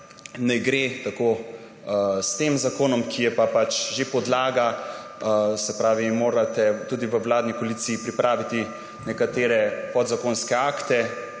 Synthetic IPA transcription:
nɛɡɾet̪ako | st̪emzakoːnɔmkʰijɛpapat͡ʃʒepɔd̪laːɡa | sɛpɾaːʋimoːɾat̪ɛt̪uːd̪iʋəwlaːd̪nikoliːt̪siːpɾipɾʔaːʋit̪i | nɛkat̪eːɾɛpɔd̪zakoːnskɛaːkt̪ɛ

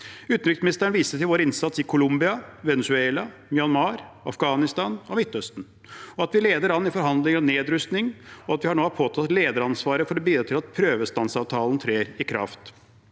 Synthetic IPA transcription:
ʉːt̪nʏksmɪnɪst̪əəɳʋiːsət̪ɪlʋoːɾəɪnsɑt̪sɪkʰʊlʊmbɪɑʋɛnʉsʉeːlɑ | mʏɑnmɑːɾɑ̰fɡɑːnɪst̪ɑːnɔmɪt̪ːœst̪n̩ | ɔɑt̪ʋɪleːd̪əɾɑnːɪfɔɾɦɑnd̪lɪŋɔneːd̪ɾʉst̪nɪŋɔɑt̪ʋɪhɑɳoːɑɾpʰoːt̪ʰɑt̪leːd̪əɾɑnsʋɑːɾəfɔɾɔbiːd̪ɾɑt̪ɪlɑt̪̚pʰɾøːʋəst̪ɑnsɑːʋt̪ʰɑːln̩t̪ʰɾeːɾɪkʰɾɑ̰ft̪

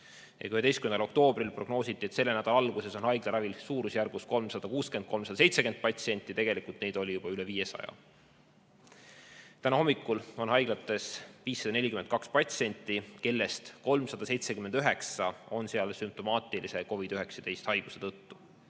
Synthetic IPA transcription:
jʔɑ̰kyhe̞d̪eskymend̪ɑlo̞k̚t̪o̞ːb̥rilpro̞ɡnoːsit̪ːˑiet̪se̞lːenæd̪̥ɑlɑlɡuse̞so̞nhɑjɡ̥lɑɾɑvilsuːɾusjærɡ̥usko̞lmsɑd̪̥ɑkuːske̞nd̪̚ko̞lmsɑd̪ɑse̞jt̪se̞ke̞nd̪̚pɑt̪sie̞nʲt̪ːˑit̪e̞ɡ̥e̞likult̪ne̞jd̪̥o̞lʲijub̥ɑyle̞viːjesɑ̰jɑ̰ | t̪ænɑho̞mːikːˑulo̞nhɑjɡ̥lɑt̪ːˑe̞sviːsːɑd̪ɑne̞lʲikymend̪̚kɑkspɑt̪sie̞nʲt̪ːˑike̞lːe̞st̪ko̞lmsɑd̪̥ɑse̞jt̪sekymend̪yɦe̞ksɑo̞nseɑlsymp̚t̪o̞mɑːt̪ˑilise̞ko̞vid̪̥yɦeksɑd̪e̞jst̪hɑjɡ̥use̞t̪ɤt̪ːu

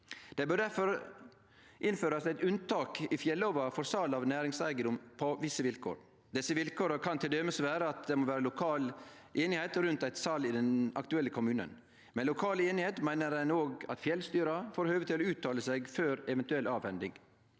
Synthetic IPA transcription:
d̪̥ɛbœɖɖæɾfɔɾ | ʔɪnføːɾɑsæɪt̪ʉnt̪ʰɑːkɪfjɛlːɔʋɑfɔɾsɑlɑʋnæːɾɪŋsæɪɡənd̪ʊmpʰɔʋɪsːəʋɪlkʰo̰ːɾ | d̪ɛsːəʋɪlkʰoːɾəkʰɑnt̪ʰɪld̪eməsʋæːɾəɑt̪̚d̪ɛmoːʋæːɾəlʊkʰɑːl | ʔeːnɪheɪt̪ɾʉnt̪æɪt̪sɑlːɪd̪ɛnɑ̰kt̪ʉɛlːəkʰʊmʉːnə̰n | mɛnlʊkʰɑːleːnɪheːt̪mæɪnəɾæɪnoːɡɑ̰t̪fjɛlst̪yːɾɑfoːɾhøːʋət̪ʰɪloʉːt̪ʰːɑːləseːɡføːɾɛʋɛnt̪ʉɛlʔɑːʋhɛnd̪ɪŋ

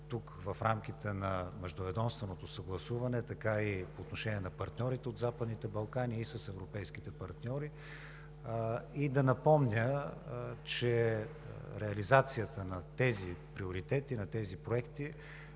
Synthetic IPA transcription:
t̪uk | vɐfɾamk̟ʲit̪ɛnɐmɛʒd̪ovɛd̪ɔmst̪vənot̪osɐɡlˠɐsuvɐnɛt̪ɐkaipoːt̪noʃɛnʲiɛnɐpɐɾt̪nʲɔɾit̪ɛod̪zapəd̪nit̪ɛbɐlˠkanʲiːsəsɛvɾopɛjsk̟it̪ɛpɐɾt̪nʲɔɾi | id̪ɐnɐpɔmnʲə | t͡ʃɛ | ɾɛɐlizat̪sijət̪ənɐt̪ɛzipɾioɾit̪ɛt̪inɐt̪ɛzipɾoɛkt̪i

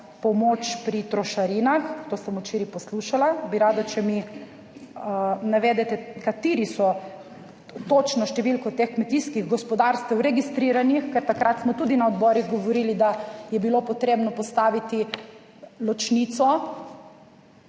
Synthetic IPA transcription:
pɔmot͡ʃpɾit̪ɾɔʃaɾiːnaxt̪oːsɐmut͡ʃiɾipɔsluʃalabiɾaːd̪at͡ʃɛmi | naʋɛːd̪ɛt̪ɛkat̪iːɾisɔ | t̪oːt͡ʃnɔʃt̪ɛʋilkɔt̪exkmɛt̪iskiɣɡɔspɔd̪aːɾst̪ʋɛwɾɛɡist̪ɾiːɾanixkɛɾt̪akɾat̪smɔt̪uːd̪inaɔd̪bɔɾiɣɡɔʋɔɾiːlid̪ajɛbilopɔt̪ɾeːbnɔpɔst̪aːʋit̪i | lɔt͡ʃnit̪sɔ

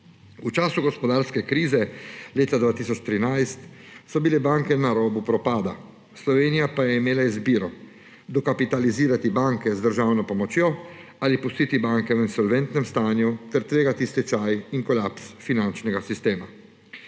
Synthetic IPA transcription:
ut͡ʃaːsuɡɔspɔd̪aːɾskɛkɾiːzɛleːt̪ad̪ʋaːt̪isɔt͡ʃt̪ɾinajst̪ | sɔbilɛbaŋkɛnaɾɔːbupɾɔpaːd̪a̰ | slɔʋeːnijapajɛimeːlaizbiːɾɔ | d̪ɔkapit̪aliziːɾat̪ibaŋkɛzd̪əɾʒaːwnɔpɔmɔt͡ʃjɔalipust̪iːt̪ibaŋkɛwinsɔlʋɛnt̪nɛmst̪aːnjut̪ɛɾt̪ɾeːɡat̪ist̪it͡ʃajiŋkɔlapsfinant͡ʃnɛɡasist̪eːma

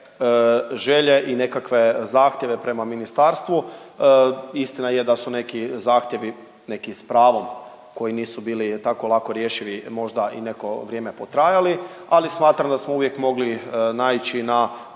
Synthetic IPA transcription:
ʒe̞ʎe̞ʔine̞kakʋe̞zaːxt̪je̞ʋe̞pɾe̞maminist̪aɾst̪ʋu | ist̪inaje̞d̪asune̞kizaːxt̪je̞ʋi | ne̞kispɾaːʋo̞m | ko̞jiniːsubiːlit̪ako̞lˠako̞ɾjeʃiʋimo̞ʒd̪aʔḭne̞ko̞ʋɾjeme̞po̞t̪ɾajali | alismaːt̪ɾamd̪asmouʋjekmo̞ɡlinaːit͡ɕina

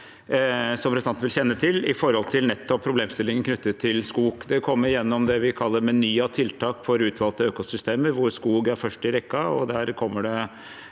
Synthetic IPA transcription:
sɔmɾɛsd̪ɑnn̩ʋɪlçɛnːət̪ʰɪlɪfɔɾhɔlt̪ʰɪlnɛt̪ːɔpʰːɾʊbleːmst̪ɪlːɪŋənkʰnʉt̪ːət̪ʰːɪlskuːɡd̪ɛkʰɔmːəɾjɛnːɔmd̪ɛʋɪkʰɑlːəɾmɛnyːɑt̪ʰɪlt̪ʰɑːkfɔɾʉːt̪ʰʋɑlt̪əøːkʊsʏst̪eːməɾʋʊɾskuːɡæɾfœʂʈɪɾɛkːɑɔd̪æɾkʰɔmːəɖɛ

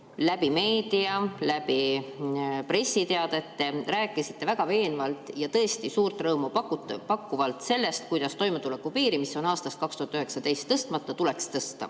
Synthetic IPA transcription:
læbime̞ːd̪̥iɑlæpi | pre̞sːit̪e̞ɑd̪et̪ːe̞ræːkːˑisi̥t̪ːe̞væɡ̥ɑve̞ːnvɑlt̪ˑjɑt̪ɤ̞est̪isuːrt̪ˑrɤːmupɑkut̪pɑkːuvɑlt̪se̞lːe̞st̪̚kujd̪̥ɑst̪o̞jmet̪ule̞kːupiːɾimisːo̞nɑːst̪ɑst̪kɑkst̪uhɑt̪ːˑyɦe̞ksɑt̪e̞jst̪ːɤst̪mɑt̪ːˑɑt̪ule̞kst̪ɤst̪ɑ̰

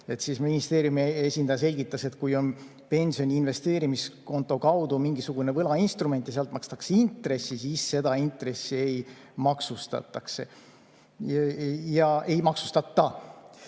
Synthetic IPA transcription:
e̞t̪ːsisminist̪e̞ːɾjumiesʲind̪̥ɑjɑse̞lʲɡit̪ːˑɑse̞t̪kujo̞n | pe̞nʲsio̞nʲiːnve̞st̪e̞ːɾimisko̞nt̪ːˑo̞kɑwd̪̥umiŋɡisuɡ̥une̞vɤlɑinst̪rume̞nt̪jɑseɑlt̪ˑmɑkst̪ɑkseint̪ˑɾe̞sːisisːe̞d̪ɑint̪re̞sːie̞j | mɑksust̪ɑ̰t̪ːˑɑkse̞ | jɑe̞jmɑksu̥st̪ɑt̪ːɑ

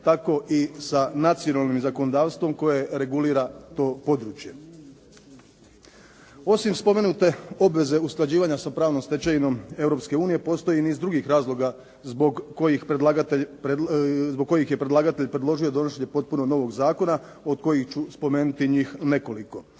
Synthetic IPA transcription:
t̪ako̞ʔisanat̪sijo̞nalnimzako̞nod̪aːʋst̪ʋo̞mko̞jeɾe̞ɡuliːɾat̪o̞ːpo̞d̪ɾuːt͡ʃje̞ | o̞simspo̞me̞nut̪e̞o̞bʋe̞ze̞usklˠad͡ʑiːʋaɲasapɾaːʋno̞mst̪e̞t͡ɕajino̞me̞wɾopske̞uːnije̞po̞st̪o̞jiniːzd̪ɾuɡixɾaːzlˠo̞ɡa | zboɡkojixpɾed̪laɡat̪epzboɡ̚ko̞jixje̞pɾe̞d̪lˠaːɡat̪e̞ʎpɾed̪lo̞ʒio̞d̪o̞noʃeɲe̞po̞t̪̚puno̞no̞ʋo̞ɡzaːko̞na | o̞d̪̚ko̞jixt͡ɕuspo̞me̞ːnut̪iɲiːxne̞ko̞liko̞

